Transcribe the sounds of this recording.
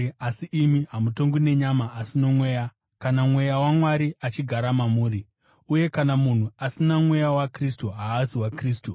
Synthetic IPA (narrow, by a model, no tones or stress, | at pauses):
asiʔimiɦamuto̞ŋɡine̞ɲamaʔːsino̞mwe̞ːja | kanamwe̞jawamwaɾiat͡ʃiɡʱaɾamamuːɾi | uje̞kanamun̤uasinamwe̞jawakristuɦaːsiwakriːs̬tu